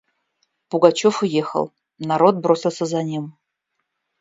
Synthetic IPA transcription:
pʊɡat͡ɕofʊjexə̰lˠ | nɐɾo̞t̪̚bɾo̞sʲɪlˠsʲəzɐnʲim

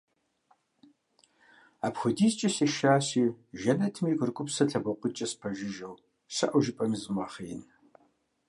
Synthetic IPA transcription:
aːpxʷʊdiːzt͡ʃʼɐseʃaːsiːʒɐnɐtʰmiːkʷʼʊrkʷʼʊpsɐɬʰɐbɐqʷʊt͡ʃʼɐspʰɐʒɪʒɐw | sɐ̰ʔɐʒɪpʼɐmzɨmaːχijɪn

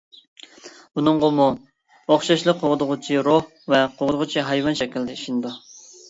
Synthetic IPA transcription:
unɨŋʁomu | oχʃɑʃlˠəqʰoʁd̪ʁʊt͡ʃʰiɾoh | vɛqʰoʁd̪ʊʁʊt͡ʃʰiɦɑjwɑnʃɛkʲild̪ɛiʃinɨd̪u

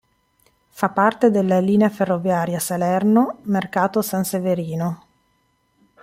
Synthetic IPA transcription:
fapːart̪ed̪elːaliːneaferːovjaːɾjasalɛrnomerkaːt̪osanseveɾiːno

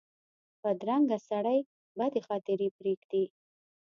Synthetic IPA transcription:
pəd̪ɾaŋɡasaɽəj | bad̪exɑt̪ɪɾepɾeɡd̪i

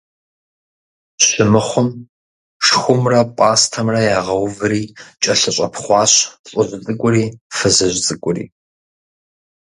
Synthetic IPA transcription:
ɕɪmɨχʷʊm | ʂxʷʊmrɐpʼaːstʰɐmrɐjaːʁɐwvɨɾiːt͡ʃʼɐɬɐɕʼɐpʰχʷɑːɕɬʼʊʑt͡sʼɨkʷʼʊɾiːfɐzɐʑʷt͡sʼɨkʷʼʊrḭː

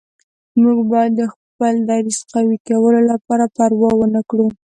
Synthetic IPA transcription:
muɡbɑjad̪ːəx | pəld̪ɑɾisqawikawəlolapɑɾapaɾwɑwənakɽu

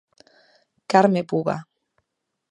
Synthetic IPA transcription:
kaɾmepuβa̰

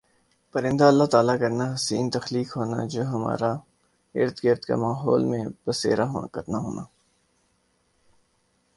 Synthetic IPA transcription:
pɐɾɪ̃nd̪aɐlːat̪aːlakɐɾnaɦɐsiːnt̪ɐxliːkɦoːna̰d͡ʒoːɦɐma̰ːɾa | ɪ̰ɾt̪kɪɾt̪ka̰maːɦɔːlmẽbɐsḛːɾaɦkɐt̪naɦo̰ːna̰ː

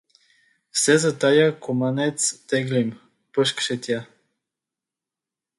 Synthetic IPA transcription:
fsɛzət̪ajakomanɛt̪st̪ɛɡlim | pəʃkʃɛt̪ja

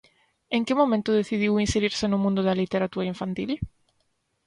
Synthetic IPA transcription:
eŋkɪmõmẽnt̪ʊðeθiðiwinseɾiɾsɪnʊmũnd̪ʊðalit̪eɾat̪uɾɐiɱfant̪il

